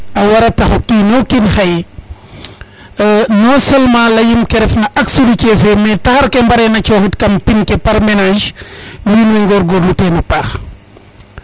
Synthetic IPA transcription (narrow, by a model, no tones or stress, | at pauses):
ɐwɐɾɐtɐxukinɔkinxɐj | nɔsɛlmãːlɐjimkɛɾɛfnɐʔɐksudicɛfɛmɛtɐxɐɾkɛmbɐɾɛnɐt͡ʃɔːxitkɐmpinkɛpɐɾmɛnaʒwiːnwɛŋɡɔɾɡɔɾnutɛnɐpaːx